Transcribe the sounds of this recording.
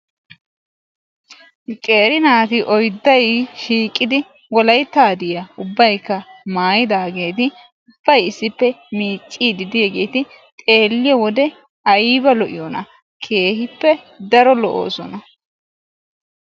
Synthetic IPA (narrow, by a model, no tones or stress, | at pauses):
kʼe̞ːɾɪnaːt̪ɪʔɔjd̪ːɐjʃiːkʼːɪd̪ɪ | wɔlɐjt̪ːaːd̪ɪjɐʊbːɐjkːɐmaːjɪd̪aːɡe̞ːt̪̬ɪ | ʊb̥ːɐjɪsːɪpːɛmiːt͡ʃʼːiːd̪ɪd̪ɪjɛɡe̞ːt̪ɪ | t̪ʼe̞ːlːɪjɛwɔd̪ɛ | ɐjiːbɐlɔʔɪ̰jɔnɐ | kʰe̞ːhɪpːɛ | d̪ɐɾɔlɔʔo̰ːsɔnɐ